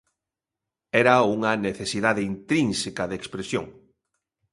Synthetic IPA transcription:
ɛɾauŋɐneθesiðaðeint̪ɾinsekaðekspɾesjo̰ŋ

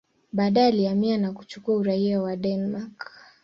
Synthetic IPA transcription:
ɓaːɗajaliamianaku̥t͡ʃukuauɾaiawaɗɛnmak

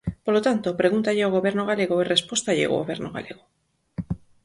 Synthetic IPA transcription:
polot̪ant̪opɾeɣunt̪aʎeoɣoβeɾnoɣaleɣoerespost̪aʎḛo̰ɣoβeɾnoɣa̰lḛɣo

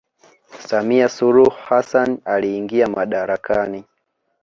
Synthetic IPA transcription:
samiasuɾuhhasanaliːŋɡiamaɗaɾakani

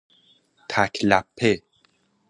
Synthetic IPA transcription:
t̪ʰakʲʰlapʰːe

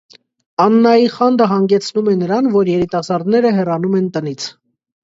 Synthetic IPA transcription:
ɑnːɑjiχɑnd̪əɦɑŋɡɛt͡sʰnumɛnəɾɑnvɔɾjɛɾit̪ɑsɑɾd̪nɛɾəɦɛrɑnumɛnt̪ənit͡sʰ

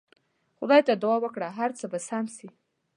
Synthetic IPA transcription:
xʊd̪ɑjt̪ad̪uwɑwəkɽaɦaɾt͡səbasamsi

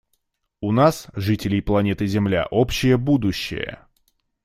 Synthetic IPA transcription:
ʊnasʐɨtʲɪlʲɪjplˠɐnʲe̞t̪ɨzʲɪmlʲa̰ʔo̞pɕːɪjəbud̪ʊɕːɪ̰jə̰

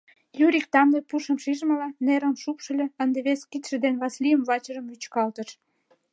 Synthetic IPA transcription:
jyɾik̚t̪ɑmlepuʃəmʃiʒmə̆lɑneɾəmʃupʃə̆lʲĕənd̪eβeskit̪ʃə̆d̪enβɑslʲijəmβɑt͡ɕərə̆mjyt͡ɕkɑlt̪əʃ

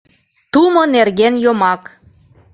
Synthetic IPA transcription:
t̪umonerɣenjomɑk

